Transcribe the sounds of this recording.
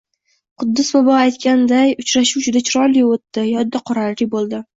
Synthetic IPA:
qʰʊd̪ːɪsbabɒajt̪kʲand̪ajʊt͡ʃɾaʃuwd͡ʒʊd̪at͡ʃʰɪɾɒjlɪjot̪ːɪjɒd̪ːaqʰɒɾalɾɪbolˠd̪ɪ

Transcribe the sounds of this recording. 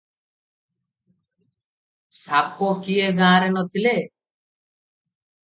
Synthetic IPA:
saːpːoːkieɡãːɾenot̪ʰileː

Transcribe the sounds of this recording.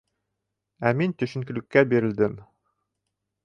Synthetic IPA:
æmint̪ɵ̆ʃɘ̆ŋkɘ̆lɘ̆kːæbiɾɘ̆ld̪ɘm

